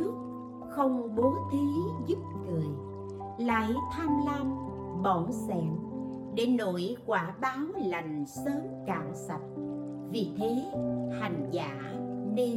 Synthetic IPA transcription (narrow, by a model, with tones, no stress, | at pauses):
ɨ˦˥ək̚ | xə˧wŋ͡mɓo˨˦t̪ʰi˨˦zu˦˥p̚ŋɨ˨˩əj | la̰ː˧˨jt̪ʰaː˧mla˧ŋ | ɓɔ˧˩nsɛ̰˧˨m | ɗe˧˩no̰˧˨jkwaː˧˩ɓaː˨˦wla˨˩jŋ̟səː˨˦mka̰ː˧˩ŋsa˨˩t̚ | vi˨˩t̪ʰe˨˦t̪ha˨˩jŋ̟za̰ː˧˥ne˧